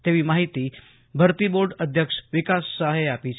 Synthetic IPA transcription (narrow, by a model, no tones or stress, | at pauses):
t̪eʋiːmaɦit̪iː | bʱəɾt̪iːboɾɖəd̪ʱjəkʂʋikasːəɦeapit͡ɕ